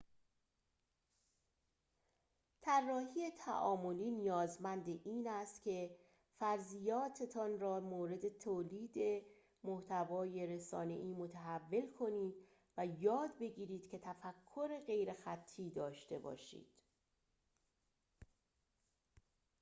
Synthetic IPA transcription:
t̪ʰærːɒːhije̞t̪ʰæ̰ʔɒːmo̞liːnijɒːzmænd̪eʔiːnæst̪cʰe̞ | fæɾzijɒːt̪ʰe̞t̪ʰɒnrɒːmoːɾe̞d̪e̞t̪ʰoːliːd̪e | moht̪ʰævɒːje̞ɾe̞sɒ̰ːne̞̰ʔiːmo̞t̪ʰæɦævːe̞lkʰo̞niːd̪̥ | væjɒːd̪be̞ɟiːɾiːd̪̥cʰe̞t̪ʰæfækʰːo̞ɾe̞ɣe̞jɾe̞xæt̪ʰːiːd̪ɒːʃt̪e̞̰bɒ̰ːʃḭːd̪̥

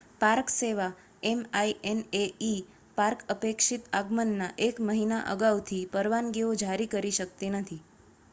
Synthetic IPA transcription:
paɾkseʋa | emaienei | paɾkəpekʃit̪aɡmənːaʔekməɦinaʔə̰ɡawt̪ʰipəɾʋanɡiod͡ʒʱaɾikəɾiʃək̚t̪enət̪ʰi

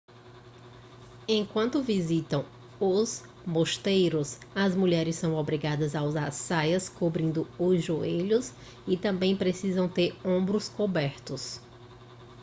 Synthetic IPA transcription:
ẽkwɐ̃nt̪ʊvizit̪ɐ̃w̃ | ʊz | moʃt̪ejɾʊsɐzmuʎɛɾɪsːɐ̃w̃obɾiɡad̪ɐzauzasajɐskobɾĩnd̪ʊʊzʒueʎʊs | ɪt̪ɐ̃mbẽj̃pɾesizɐ̃w̃t̪eɾõbɾʊskobɛɾt̪ʊs

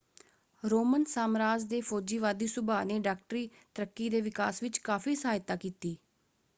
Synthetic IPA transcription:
ɾoːmənsaːmɾaːd͡ʒd̪eːpʰoːd͡ʒiːʋaːd̪iːsʊbaːneːɖaːk̚ʈəɾiː | t̪əɾəkːiːd̪eːʋɪkaːsʋɪt͡ʃkaːfiːsəɦaːjt̪aːkiːt̪iː

